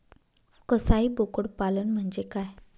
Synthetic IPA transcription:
kəsaɦiːbokəɽpalənm̤əɳd͡ʑekaj

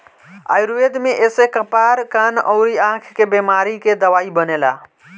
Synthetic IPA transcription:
a̰jɾued̪meʔesekəpaɾkanə̰ʊɾiãkʰkebemaɾiked̪əʋaibənela̰

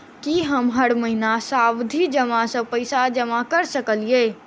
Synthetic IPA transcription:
kiɦəmɦəɽməɦinasawd̪ʱid͡ʒəmasə̃pəɪsad͡ʒəmakəɾsəkəlie

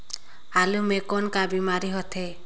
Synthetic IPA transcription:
alumekɔnkabimaɾiɦɔt̪ʰe

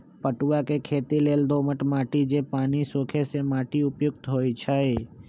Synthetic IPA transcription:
pəʈuakekʰeːt̪ileːld̪oːməʈmaːʈid͡ʒepaːnisoːkʰesemaːʈiʊpjʊɡ̚t̪ɦoːit͡ʃʰəe

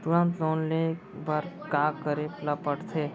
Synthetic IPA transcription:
t̪uɾə̃nt̪loːnlekbaɾ | kaːkəɾepləpəʈt̪ʰe

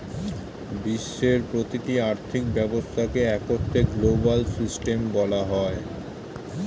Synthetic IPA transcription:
biʃːeɾpɾot̪iʈiaɾt̪ʰik̚bɛbost̪ʰakeɛkoɾt̪ʰeɡlobalsisʈembɔlaɦɔe

